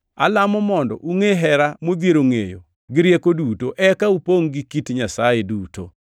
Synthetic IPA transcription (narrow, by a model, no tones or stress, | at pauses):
a̰lamɔmɔndɔʔuŋeɦɛɾamod̪jeɾoŋejo̰ | ɡɪɾjekodutoʔɛkaupoŋɡɪkitɲasajeduːto